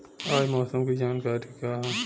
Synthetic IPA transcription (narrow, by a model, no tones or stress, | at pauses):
aːjmɔːsɐmkid͡ʒaːnkaːɾikãː